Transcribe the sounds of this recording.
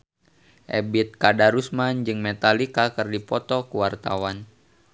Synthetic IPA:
ʔɛbit̪̚kadaɾusmand͡ʒɨŋmɛt̪alikakɨrdipɔt̪ɔkuwart̪a̰wan

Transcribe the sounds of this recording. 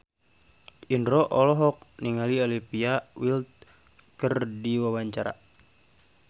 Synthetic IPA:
indɾɔʔɔlɔɦɔk̚niŋaliɔlipiawilt̪̚ | kərdiwawaɲt͡ʃaɾa̰

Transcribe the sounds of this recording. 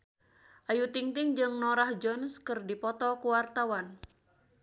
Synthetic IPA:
ʔajut̪iŋt̪ɪŋd͡ʒɨŋnɔɾahd͡ʒɔnskərdipɔt̪ɔkuwart̪awan

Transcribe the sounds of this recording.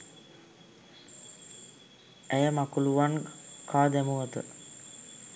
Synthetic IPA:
æjəmakuluʋankaːd̪æmuʋət̪ə̰

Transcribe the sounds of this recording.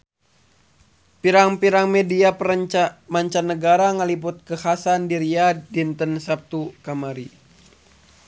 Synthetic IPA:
piɾaŋpiɾaŋmediapmaɲt͡ʃanːəɡaɾaŋəliput̪̚kəhasandiɾiadint̪ənsap̚t̪ukamaɾi

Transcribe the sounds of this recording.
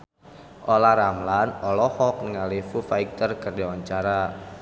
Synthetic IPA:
ʔolaɾamlanɔlɔhɔk̚nəŋalefufaik̚t̪ərkərdawaɲt͡ʃaɾa

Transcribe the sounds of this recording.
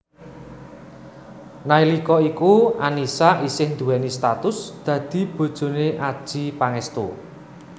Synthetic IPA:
nailikɔikuanisaʔisɪhnd̪uɛnist̪at̪ʊsd̪̥ä̤d̪̥i̤b̥o̤d̥ʒ̥o̤neʔad̥ʒ̥i̤paŋɛst̪u

